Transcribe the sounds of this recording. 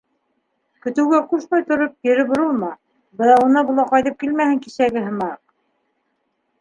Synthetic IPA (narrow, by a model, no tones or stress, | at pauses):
kɵ̆t̪ɘ̆wɡæquʃmɑjt̪ŏɾop̚jɘ̆ɾɘbŏɾulˠmɑ | bɤ̆nɑunɑbulˠɑqɑjðɤp̚kilmæhɘŋkisæɡɘɦɤ̆mɑq